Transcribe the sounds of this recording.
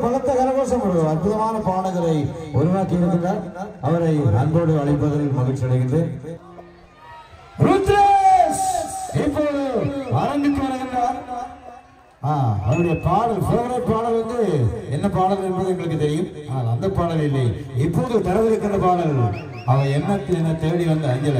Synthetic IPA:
pɐɣɐt̪ːɐkɐlɐɣoːs̬ɐmʊɽɯɐrpʊðɐmaːnɐpaːɽɐɣɐɭɐɪɔɾɯʋaːkːɪɐɾɐtːɯnaːɾɐʋɐɾɐɪɐnboːɽɯɐɭɐɪpːɐðɐɐlpɐɣɪt͡ʃːɐɽɐɣɪnrɯ | pɾuːt̪ɾɐsɪpːoːðɯʋaːɾɐŋɡɪt̪ːɯʋɐɾɯɣɪndraːɾ | aːɐ̰ɯɽɐjɐpaːlɐlsoːɣɐɾɐðɐpːaːlɐlʋɐnd̪ɯɛnːɐpaːɳɐɣɐɭɪɾpːɐðɐŋɡɐɭɯk̬ːɯt̪ːɛɾɪjɯmaːɐlɐnd̪ɐpːaːɽɐʋɪlːi | ɪpːoːðɯt̪ɐɾɐʋɪɾɯkːɪndɐpaːlɐl | ɐʋɐɛnːɐt̪ːɯɛnːɐt̪eːɽiʋɐnd̪ɐɐɲd͡ʒɐlɐ

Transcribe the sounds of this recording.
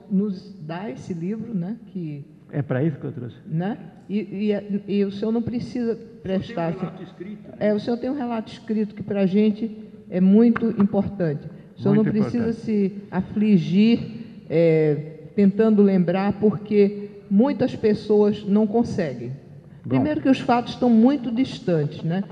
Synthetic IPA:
nʊzd̪aesɪlivɾʊnɛkɪ | ɛ̰pɾɐisu̥kot̪ɾo̰snɛ | ɪ | ɪʊsẽoɾnɐ̃w̃pɾɪsizɐpɾɛʃt̪aɾsĩskɾit̪ɛʊsẽɲoɾt̪ẽj̃ũɦɛlat̪ʊiskɾit̪ʊkɪpɾɐaʒẽt͡ʃɪ | ɛmũj̃t̪ʊʔĩpoɾt̪ɐ̃t͡ʃɪ | sẽoɾ̃nɐ̃w̃pɾɪssizɐsɪafliʒiɾ | ɛt̪ẽnt̪ɐ̃nd̪ʊlẽmbɾaɾpoɾke | mũj̃t̪ɐspesoɐznɐ̃w̃kõsɛɡẽj̃ | bpɾĩmmejɾʊkɪʊsfat̪ʊ̥st̪ɐ̃w̃mũj̃t̪ʊdiʃt̪ɐ̃tɪznɛ

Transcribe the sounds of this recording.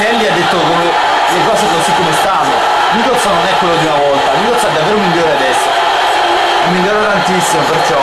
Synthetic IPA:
ɛlːiad̪ːet̪ːokome | lekɔːsekonsikːomest̪anːo̰ | mik̪ɔt̪sɔnːonɛkːwelːod̪iunavɔlt̪alik̪olt̪sɛd̪ːavːeːɾomiʎːoːɾead̪ɛsːo | imːiʎːoːɾot̪ant̪isːimopert͡ʃɔ

